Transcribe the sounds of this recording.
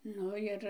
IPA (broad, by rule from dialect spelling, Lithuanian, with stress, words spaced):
ˈnʊ jɪr